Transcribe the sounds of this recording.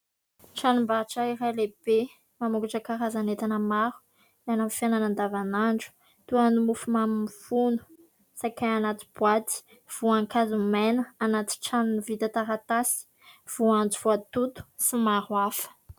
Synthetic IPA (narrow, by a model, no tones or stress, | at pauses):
ʈ͡ʂanumbaʈ͡ʂaiɾaleb̥e | mamuɡuʈ͡ʂəkaɾazanet̪anəmaɾu̥ | lanamfjananand̪avanaɳɖ͡ʐu̥ | t̪uanumufumamimifunu̥ | sakaanat̪i̥b̥wat̪i̥ | v̥uaŋkazumɛnəanat̪i̥ʈ͡ʂannivit̪at̪aɾat̪asi̥ | v̥uand͡ʒuv̥uat̪ut̪u̥simaɾwafə̥